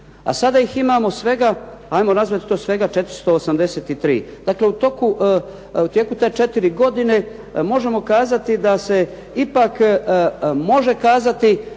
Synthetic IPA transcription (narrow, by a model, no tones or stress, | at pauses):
a̰sad̪aiximaːmo̞sʋe̞ɡaajmo̞nazʋat̪i̥t̪o̞ːsʋe̞ɡat͡ʃe̞t̪ɾi̥st̪o̞ːsamd̪ese̞ːt̪it̪ɾḭːd̪̥akle̞ut̪o̞ku | ut̪jekut̪e̞ːt͡ʃe̞t̪iɾiɡo̞d̪ine̞ | mo̞ʒe̞mo̞kaːzat̪id̪ase̞ | ipak | mo̞ʒe̞kaːzat̪i